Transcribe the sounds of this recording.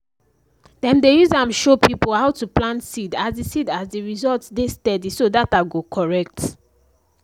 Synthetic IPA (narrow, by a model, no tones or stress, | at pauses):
dɛ̃ndejuzãmʃopipolhaʊtuplãnsidazdisidazdiɹizɔltsdestɛdisodataɡokʰɔɹɛk̚t